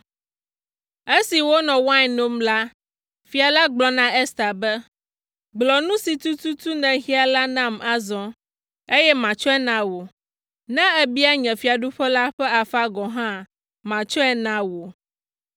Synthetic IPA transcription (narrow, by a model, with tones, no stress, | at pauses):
e˦si˨wo˦nɔ̃˨wa˦˨no˦mla˦ | fi˨a˨la˦ɡ͡blɔ˨nã˦ɛ˦st̪a˨bɛ˦ | ɡ͡blɔ˨nũ˦si˨t̪u˦t̪u˦t̪u˦nɛ̃˨ɣi˦a˨la˦nã˦ma˨zɔ̃˨ | e˦jɛ˦mã˨t͡ʃɔ˦ɛ˦nã˨wo˨ | nã˦ɛ˦bi˦a˦ɲɛ̃˨fi˨a˨ɖu˦ɸɛ˦la˦ɸɛ˦a˨fa˦ɡɔ˨ɦã˦ | mã˨t͡ʃɔ˦ɛ˦nã˨wo˨